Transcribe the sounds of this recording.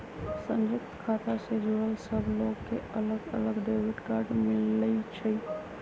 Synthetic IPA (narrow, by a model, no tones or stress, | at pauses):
sə̃nd͡ʒʊk̚t̪kʰaːt̪ʰased͡ʒoːɽəlsəbʱloːɡkeələɡə̰ləɡɖeːʋɪʈkaːɾɖmɪlːəit͡ʃʰəi